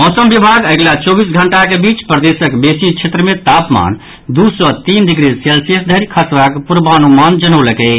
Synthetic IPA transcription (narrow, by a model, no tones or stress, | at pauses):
mɔsəmbibʱaɡəɡlat͡ʃɔbisɡʱəɳʈakebit͡ʃpɾəd̪esəkbesit͡ʃʰet̪ɾəmẽt̪apma̰n | d̪usɔt̪ind̪iɡɾiselsijəsd̪ʱəɾikʰasʋakpuɾbanumand͡ʒənəwləkɛ